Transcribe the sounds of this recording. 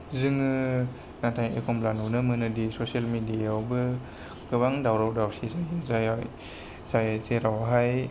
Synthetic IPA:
zɯŋɯ | natʰajḛkʰɔmplanɔnɯmɯnɯdisɔsialmidiawbɯ | kɯbaŋdawɾawdawsizajɯzaja | zajzeɾawɦaj

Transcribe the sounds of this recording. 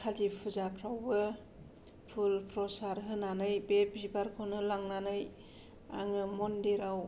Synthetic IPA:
kʰadipʰuzapʰɾawbɯ | pʰulpʰɾɔsaɾɦɯnanɯjbebibaɾkʰownɯlaŋnanɯj | a̰ŋɯmɔndeɾaw

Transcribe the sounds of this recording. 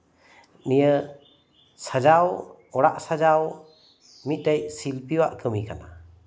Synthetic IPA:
nijə | sad͡ʒaw | ɔɽaʔsad͡ʒaw | mit̪̚ˀtɛjsilpiwaʔkʰəmikana

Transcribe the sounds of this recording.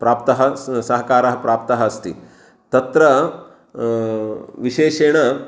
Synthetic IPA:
pɾaːpt̪ɐɦɐ̆sɐɦɐkaːɾɐɦɐ̆pɾaːp̚t̪ɐɦɐɐst̪i | t̪ɐt̪ɾɐ | ʋiʃeːʂeːɳ̃ɐ

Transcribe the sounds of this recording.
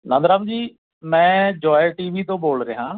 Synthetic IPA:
nãːnd̪ɾaːbd͡ʒiː | mɛ̃ːd͡ʒɔːeʈiːʋiːt̪õːboːlɾəeːɦãː

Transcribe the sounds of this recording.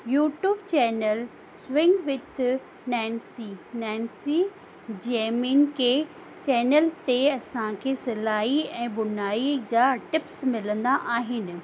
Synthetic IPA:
juːʈjuːbt͡ɕɛːnəl | sʋɪ̃ŋɡʋɪd̪ʰ | nɛ̃ːnsinɛ̃ːnsi | d͡ʑeːminke | t͡ɕɛːnəlt̪eɐsãkʰeːsɪlaːɦiɛ̃ːbʊnaːid͡ʑaːʈɪpsmɪlə̃nd̪aʔaːɦɪnɪ̆

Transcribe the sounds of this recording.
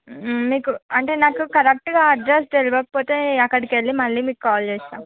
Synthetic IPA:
miːkuɐɳʈe̞ːnaːkukɐɾek̚ʈɡaːɐɖɾesʈeliʋɐk̚po̞ːt̪e̞ːɐkːɐɽikeɭːimɐɭːiːmiːkukaːlt͡ʃeːsaːm

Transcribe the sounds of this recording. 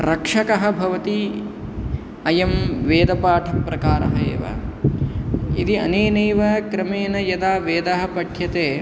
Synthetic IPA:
ɾɐkʂɐkɐɦɐ̆bʱɐʋɐt̪i | ɐjɐmʋeːd̪ɐpaːʈʰipɾɐkaːɾɐ̰ɦɐḛːʋɐ̰ | ḭd̪iɐ̰neːneːʋɐkɾɐmeːnɐjɐd̪aːʋeːd̪ɐɦɐ̆pɐʈʰjɐt̪eː

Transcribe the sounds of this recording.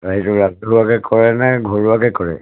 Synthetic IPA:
ɹaɦitʊɹauɦuakɛkʰɔɹɛnɛɡʱɔɹuakɛkɔɹɛ̰

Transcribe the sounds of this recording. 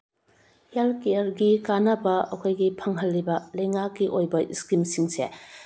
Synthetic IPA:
jalkejɐɾɡikanɐbɐɐkʰojɡipʰɐŋɦɐlːibɐlɐjŋakːiʔojbɐiskimsiŋsḛ

